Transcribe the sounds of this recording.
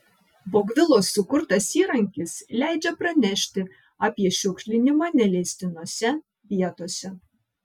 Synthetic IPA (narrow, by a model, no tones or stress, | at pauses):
boːɡʋʲɪlˠoːsːʊkʊɾt̪ɐsiːɾɐŋʲkʲɪslʲæˑɪd͡ʒʲɛpɾɐnʲɛʃʲt̪ʲɪ | ɑːpʲiɛʃʲʊkʃʲlʲɪnʲɪmanʲɛlʲesʲt̪ʲɪnoːsʲɛ | ʋʲiɛt̪oːsʲɛ